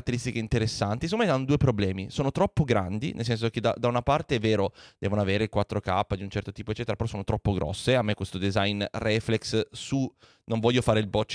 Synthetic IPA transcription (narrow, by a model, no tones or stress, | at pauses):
t̪ːeɾist̪ikeint̪eɾesːant̪isokomɛjanːod̪uːepɾoblɛːmisoːnot̪ɾɔpːoɡɾa̰nd̪ḭnʔḛls̬ɛns̬ok̟ed̪a̰d̪aunapart̪eɛvːeːɾod̪̥ɛːvonoaveːɾekwat̪ːɾoka̰pːad̪iunt͡ʃɛrt̪ot̪iːpoet͡ʃːɛːt̪eɾapeɾɔsoːnot̪ɾɔpːoɡɾɔ̰sːeamːekːwest̪od̪ezajnrɛflekssu | noɱvɔʎjːofaːɾeilbɔt͡ʃː